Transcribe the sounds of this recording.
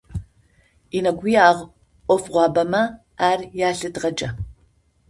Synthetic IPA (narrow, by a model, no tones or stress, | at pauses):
inɐɡʷijaːʁ | ʔʷɔfʁʷɑːbɐmɐ | aːrjaːɬɨdʁɐd͡ʒʼɐ